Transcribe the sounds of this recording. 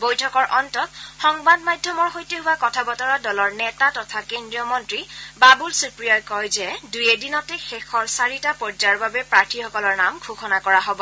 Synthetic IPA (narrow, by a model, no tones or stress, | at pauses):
bojtʰɔkɔɹʔɔntɔtxɔŋbadmajdʱːɔmɔɹxojteɦʊwakɔtʰabɔtɔɹadɔlɔɹnɛtatɔtʰakendɹiɔmɔntɹibabulsupɹijɔjkɔjzɛdujɛdinɔtɛxɛxɔɹsaɹitapɔɹzaɹbabɛpɹaɹtʰixɔkɔlɔɹnamɡʱukʰɔnakɔɹaɦobɔ